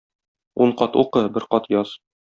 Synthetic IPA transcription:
uɴqɒt̪uqɤbɘɾqɒt̪jɒz

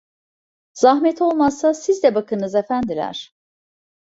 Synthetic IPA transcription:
z̥aɦmɛt̪ʰo̞lˠmasːasizd̪ɛbakʰɯnɯzefænd̪ilʲæ̰ɾ̥

